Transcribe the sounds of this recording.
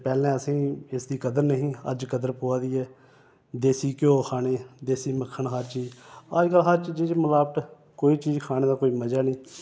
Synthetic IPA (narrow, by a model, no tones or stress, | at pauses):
pɛːlɛ̃ːəsĩːɪsd̪iːkəd̪əɾnəɦĩːə̰d͡ʒkəd̪əɾpoːaːd̪iːɛː | d̪eːsiːkjõːkʰaːneːd̪eːsiːməkʰːəɳɦəɾt͡ʃiːd͡ʒad͡ʒɡəlɦəɾt͡ʃd͡ʒɪd͡ʒməlaːbəʈ̪ | koːiːt͡ʃiːd͡ʒkʰaːñeːd̪aːkoːiːməd͡ʒaːnĩː